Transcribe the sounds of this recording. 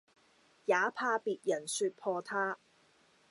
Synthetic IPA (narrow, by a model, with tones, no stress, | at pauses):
jaː˨˥pʰaː˧piː˨t̚jɐ˨˩nsyː˧t̚pʰɔː˧t̪ʰaː˥